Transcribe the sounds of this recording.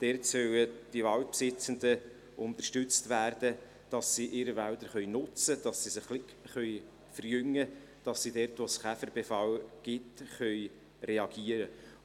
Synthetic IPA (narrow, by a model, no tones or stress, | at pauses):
d̥ɛrtsœwəd̥iʋɑwt̚psɪt͡sənd̪ə | ʊnt̪ərʃtʏt͡stʋæːrd̥ə | d̥ɑsːiʔɪɾəvæld̪əɾχœʏnʊt͡səd̥ɑsːisɪχlɪkχœʏ | fəɾjʏŋːə | d̥ɑsːidɛɾtʋosχæfərb̥efɑlɡ̥ɪtχœj | reɑɡ̥iːəɾə